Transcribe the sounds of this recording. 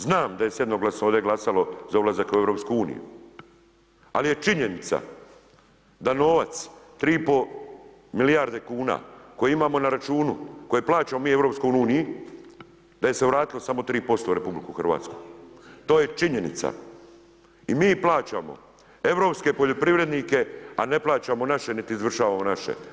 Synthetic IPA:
znaːmd̪ajesjed̪noɡlasnood̪je̞ɡlˠasalo̞zaulˠazakue̞ʋɾo̞pskuuːnḭjṵ | alije̞t͡ʃiɲe̞nit̪sa̰ | d̪ano̞ːʋat̪st̪ɾiːpo | milijaɾd̪e̞kuːna̰ːko̞jeimaːmo̞naɾat͡ʃuːnuko̞jeplaːt͡ʃamomiːe̞vɾopsko̞juːniji | d̪̥aje̞se̞ʋɾaːt̪ilo̞samo̞t̪ɾiːpo̞st̪o̞uɾe̞publikuxr̩ʋa̰ːt̪sku̥t̪o̞ːje̞t͡ʃiɲe̞nḭt̪sa̰ | imiːplˠaːt͡ʃamo̞̰ | e̞ʋɾo̞ːpske̞poʎo̞pɾiʋɾe̞d̪nike̞ane̞plˠaːt͡ɕamonaʃe̞nit̪iːzʋr̩ʃaːʋamo̞naʃḛ

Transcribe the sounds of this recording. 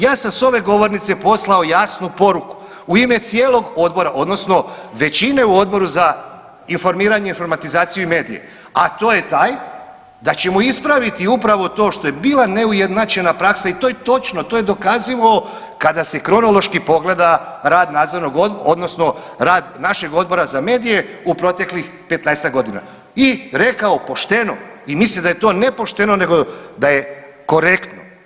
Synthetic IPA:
jaːsamso̞ʋe̞ɡo̞ʋo̞ɾnit̪sepo̞slˠao̞jasnupo̞ɾuku̥ | uime̞t̪sijeːlˠo̞ɡo̞d̪bo̞ɾaʔo̞d̪no̞sno̞ʋe̞t͡ɕine̞uo̞d̪̚bo̞ɾuza | info̞ɾmiːɾaɲeinfo̞ɾmat̪izaːt̪sijuime̞ːd̪ije̞̰ | a̰t̪o̞ːjet̪aːj | d̪at͡ɕe̞muispɾaʋit̪iupɾaʋo̞t̪o̞ːʃt̪o̞jebiːlˠane̞uje̞d̪nat͡ʃenapɾaksait̪ojet̪o̞t͡ʃnot̪oje̞d̪o̞kaziʋao | kad̪asekɾo̞no̞lo̞ʃkipo̞ɡle̞d̪aɾaːd̪naːd̪zo̞ɾnoɡod̪od̪no̞sno̞ | ɾaːd̪naʃe̞ɡod̪̚bo̞ɾazame̞ːd̪ijeupɾo̞t̪e̞klix | pe̞t̪najst̪aɡo̞d̪ina̰ | iɾe̞kaopo̞ʃt̪e̞no̞imislimd̪ajet̪o̞ːne̞po̞ʃt̪enone̞ɡo̞d̪aje | ko̞ɾe̞kt̪no

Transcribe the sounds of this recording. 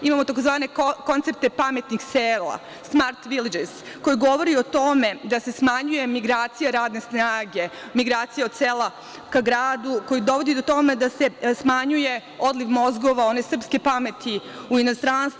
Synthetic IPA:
imaːmo̞t̪akozʋaːne̞ko̞nt̪e̞p̚t̪epame̞t̪nixseːlˠa̰ | smaɾt̪ʋilid͡ʒeɾs | ko̞jiɡo̞ʋo̞ɾio̞t̪o̞me̞d̪ase̞smaɲuje̞miɡɾaːt̪sijaɾaːd̪ne̞snaːɡe̞ | miɡɾaːt̪sijaod̪̥̚seːlˠa | kaɡɾaːd̪uko̞jid̪o̞ʋo̞d̪id̪ot̪o̞me̞d̪ase̞smaɲuje̞ | o̞d̪liʋmo̞zɡo̞ʋao̞ne̞sr̩pske̞pame̞t̪ʰi | uino̞st̪ɾanst̪

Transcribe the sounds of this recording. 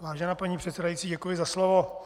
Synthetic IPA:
vaːʒɛnaːpaɲiːpr̥ɛt̪sɛdajitt͡siːɟɛkujɪzaslovo

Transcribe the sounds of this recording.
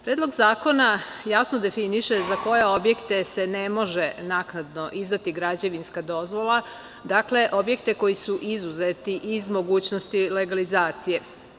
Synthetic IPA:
pɾeːd̪lo̞ɡzaːko̞na | jasnod̪e̞finiʃezako̞je̞o̞bje̞kt̪e̞se̞ne̞mo̞ʒenaknad̪no̞ʔizd̪at̪iɡɾad͡ʑe̞ʋinskad̪o̞zʋo̞lˠa | d̪akle̞ʔo̞bje̞kt̪e̞ko̞jisuʔizuzet̪iʔizmo̞ɡuːt͡ɕnost̪ile̞ɡalizaːt̪sije̞

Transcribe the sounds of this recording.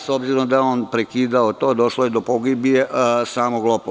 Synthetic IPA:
sobziɾomd̪ajeoːnpɾekiːd̪aot̪o̞ːd̪o̞ʃlojed̪opoɡibjesaːmoɡlˠopo

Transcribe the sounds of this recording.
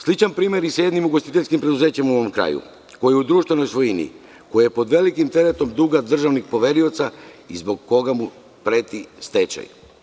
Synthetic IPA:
slit͡ʃanpɾiːmje̞ɾisjed̪nimuɡo̞st̪it̪e̞ʎʲskimpɾe̞d̪uze̞ːt͡ɕemumoomkɾa̰ːjṵ | ko̞jiud̪ɾuːʃt̪ʋe̞no̞jsʋo̞jinḭ | ko̞jijepo̞d̪ʋe̞likimt̪e̞ɾet̪o̞md̪uɡad̪r̩ʒaʋnixpo̞ʋe̞ɾio̞t̪saizbo̞ɡːo̞ɡamu | pɾe̞ːt̪ist̪et͡ɕa̰j

